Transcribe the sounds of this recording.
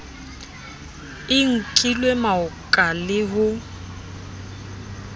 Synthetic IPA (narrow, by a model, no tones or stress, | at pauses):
ɪŋ̩kʼilwemaʊkʼalɪɦʊ